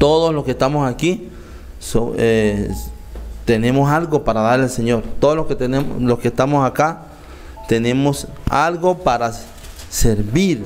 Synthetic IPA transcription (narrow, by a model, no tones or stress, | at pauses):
t̪oðosloskest̪amosaki | soe | t̪enemosalɡopaɾaðaɾelseɲoɾt̪oðolosket̪eeloskest̪amosaka | t̪enemosalɡopaɾa | seɾβiɾ